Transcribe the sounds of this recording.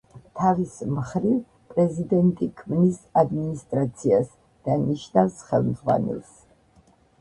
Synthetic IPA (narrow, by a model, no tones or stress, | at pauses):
t̪ʰavismχɾiv | pʼɾɛzid̪ɛnt̪ʼikʰmnisad̪minist̪ʼɾat̪sʰias | d̪̥aniʃnafsχɛlˠmd̪zʁwa̰nɛ̰lˠs